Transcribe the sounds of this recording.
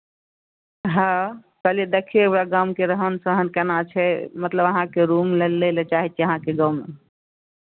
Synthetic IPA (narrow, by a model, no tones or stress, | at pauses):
ɦã | kəled̪ekʰiebɾaɡamkeɾəɦənsəɦənkɛnat͡ʃʰɛmət̪ləbəɦãkeɾumlelːelɛt͡ʃaɦit͡ʃʰɛəɦãkeɡawme